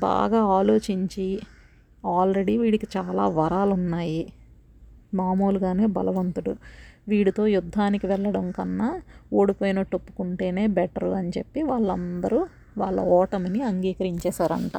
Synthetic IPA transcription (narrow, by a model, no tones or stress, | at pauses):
ba̰ːɡaːaːlo̞ːt͡ʃiɲt͡ʃi | aːlɾe̞ɽiʋiːɽikit͡ʃaːlaːʋɐɾaːlunːaːji | maːmo̞ːluɡaːne̞ːbɐ̰lɐʋɐnt̪uɽuʋiːɽut̪o̞ːjud̪ʱːaːnikiʋɛɭːɐɽɐŋkɐnːaoːɽipoːjinɐʈːopːu̥kuɳʈe̞ːne̞ːbɛʈɐɾuɐnt͡ʃe̞pːiʋaːɭːɐnd̪ɐɾu | ʋaːɭːɐ̰ɔːʈɐmɐniɐŋɡiːkɐɾiɲt͡ʃɛːsaːɾɐ̰ɳʈa̰ː